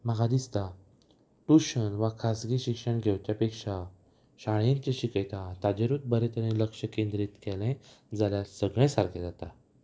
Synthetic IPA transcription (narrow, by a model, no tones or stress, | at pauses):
məɡad̪ist̪a | ʈuɕənʋakʰasɡiɕikʂəɳɡʱewt͡ɕjapekʂa | ɕaɭjẽnt͡ɕeɕikəjt̪at̪ad͡ʑeɾut̪̚bəɾet̪ʰəɾẽləkʂəkẽnd̪ɾit̪kɛlẽd͡zaljasəɡɭẽsaɾkʰed͡zat̪a